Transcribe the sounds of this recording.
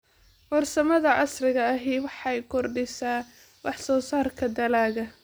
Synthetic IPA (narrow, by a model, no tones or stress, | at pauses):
wɔrsɐmɐðɐʕɑ̰srɪɣɐɐɦiːwɑħɑjkʰɔrɖɪsaː | wɑħsɔːsaːrkʰɐd̪ɐlaːɣɐ